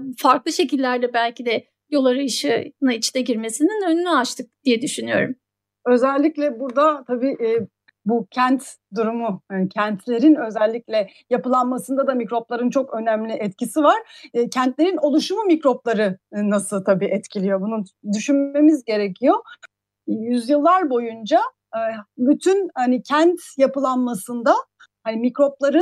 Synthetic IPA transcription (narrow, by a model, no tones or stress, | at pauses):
faɾklˠɯʃe̞cilʲːæɾd̪ɛbælʲcid̪ɛ | jo̞lˠaɾajɯʃɯnait͡ʃʰnɛɟiɾme̞sininønynyat͡ʃt̪ʰɯk̚d̪ijɛd̪yʃynyjo̞̰ɾṵm | ø̞zɛlʲːiclʲɛbuɾd̪at̪ʰabiːʔː | bucʰænt̪d̪uɾumucʰɛnt̪ʰlʲe̞ɾinø̞zɛlʲːiclʲɛ | japɯlˠanmasɯnd̪ad̪amicɾo̞plˠaɾɯnt͡ʃʰo̞kø̞næmlʲiʔɛt̪cisivaɾ̥cʰɛnt̪lʲe̞ɾino̞lˠuʃumumicɾo̞plˠaɾɯnasɯlˠt̪ʰabiːʔɛt̪cʰilʲijo̞bunund̪yʃynme̞mizɟe̞ɾecʰijo̞ | jyzjɯlˠːaɾbo̞jund͡ʒa | byt̪ʰynhanicʰænt̪japɯlˠanmasɯnd̪a | hanimicɾo̞plˠaɾɯ